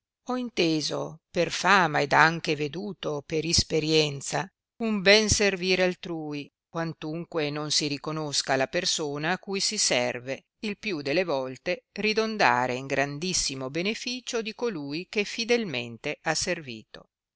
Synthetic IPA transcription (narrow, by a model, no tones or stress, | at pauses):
ɔint̪eːzo̰perfaːmaed̪aŋk̟eved̪uːt̪opeɾispeɾjɛnt̪sa | umbɛnserviːɾealt̪ɾuːi | kwant̪uŋkwenonsiɾikonoskalapersoːnaːkːujsisɛ̰rve | ilpjud̪elːevɔlt̪erid̪ond̪a̰ːɾeiŋɡɾand̪isːimobenefiːt͡ʃod̪ikoluːjk̟efid̪elmḛnt̪eʔasːervḭːt̪o̰